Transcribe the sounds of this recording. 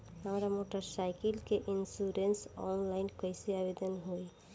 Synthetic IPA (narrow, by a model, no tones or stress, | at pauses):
amɾamoʈaɾsajkelkeʔinsuɾensɔ̰nlajnkajsiabed̪onɦoj